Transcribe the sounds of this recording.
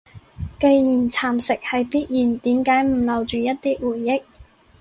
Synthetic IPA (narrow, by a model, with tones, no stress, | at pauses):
ke˧jjiː˨˩nt͡sʰaː˨˩msɪ˨k̚hɐ˨jpiː˥t̚jiː˨˩nt̪iː˨˥mkaː˨˥jm̩˨˩lɐ˨˧wt͡ʃyː˨jɐ˥t̚t̪iː˥wuː˨˩jːɪ˥k̚